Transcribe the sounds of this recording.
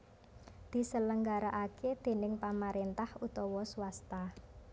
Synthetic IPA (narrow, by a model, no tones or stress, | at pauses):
d̪̥i̤sələŋɡaɾaʔaked̪̥e̤nɪŋpamaɾent̪ahut̪ɔwɔsuwast̪a